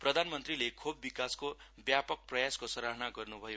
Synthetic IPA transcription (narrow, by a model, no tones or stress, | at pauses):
prʌd̪ʱanmʌnt̪rilekʰobːikaskobjapʌk̚prʌjaskosʌɾaɦnaɡʌrnubʱʌjo